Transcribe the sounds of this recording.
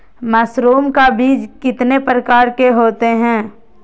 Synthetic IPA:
məsɾuːmkabiːd͡ʒkɪt̪nepɾəkaːɾkeɦoːt̪eɦɛ̃ː

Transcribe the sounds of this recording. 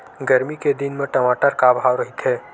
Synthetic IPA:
ɡəɾmiked̪ɪnmẽʈəmaːʈəɾkabʱaːwɾəɦit̪ɦɛː

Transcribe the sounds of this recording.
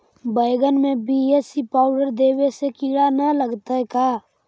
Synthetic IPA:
bəɪɡənmẽbiesipaːʊɖəɾd̪eːwesekiɽanələɡt̪aɛkaː

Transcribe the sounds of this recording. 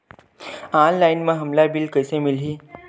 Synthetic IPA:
anlajnmə̃ɦəmlabilkəjsemilɦiː

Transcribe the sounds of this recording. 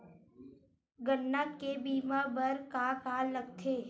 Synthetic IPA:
ɡənːakebiːmabəɾkakaːlləɡ̚t̪ʰeː

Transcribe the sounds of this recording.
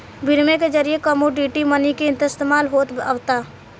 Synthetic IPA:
bʱɪɾmẽked͡ʒəɾijekəmoɖiːʈimənikeɪ̃nt̪əst̪emaːlɦoːt̪a̰ːʋt̪aː

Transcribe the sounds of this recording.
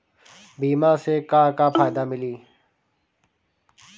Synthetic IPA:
biːmãːseːkaːkaːpʰaːjd̪aːmɪliː

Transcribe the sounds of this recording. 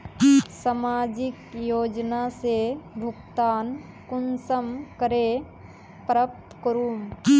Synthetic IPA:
sɐmaːd͡ʒɪkjoːd͡ʒnasebʱʊɡt̪aːn | kʊnsəmkəɾe | pɾəp̚t̪kəɾuːm

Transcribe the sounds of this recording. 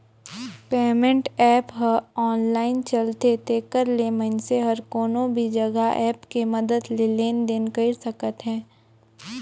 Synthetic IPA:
peːmẽɳʈɛːpɦɐɔːnlaːɪnt͡ʃɐlt̪et̪ekəɾlemɐnseɦɐɾkoːnõbʱid͡ʒɐɡaʔɛːpkemɐd̪əd̪leleːnd̪eːnkəɪsɐkət̪ɦɛ̃ː

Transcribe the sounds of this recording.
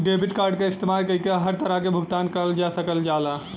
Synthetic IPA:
ɖebʱiʈkaːɾɖkeɪst̪emalkəɦikeɦəɾt̪əɾakebʱʊɡt̪aːnkəəld͡ʒasəkəld͡ʒala

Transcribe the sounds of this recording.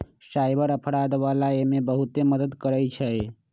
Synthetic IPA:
saːjbəɾəpʰɽad̪ʋaːlaemebəɦut̪eməd̪əd̪kəɾɛt͡ʃʰɛ

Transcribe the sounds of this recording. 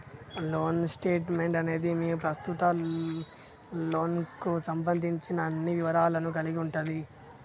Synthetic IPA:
lo̞ːnsʈe̞ːʈme̞ɳʈɐne̞ːd̪imiːɾupɾɐst̪ut̪ɐ | loːnkusɐmbɐnd̪ʱiɲt͡ʃinɐːnːiʋiʋɐɾaːlɐnuk̬ɐliɡiuɳʈund̪i

